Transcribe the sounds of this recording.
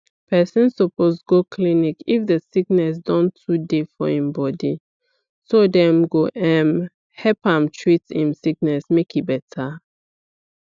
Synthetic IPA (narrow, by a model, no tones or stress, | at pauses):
pʰɛsɛ̃nsɔposɡokʰlinikifdəsiknɛs̬dɔ̃ntʰudefɔɛ̃mbɔdi | sodɛ̃mɡoʔɛ̃m | hɛpãmtʰɹitĩmsiknɛsmekibɛtʰa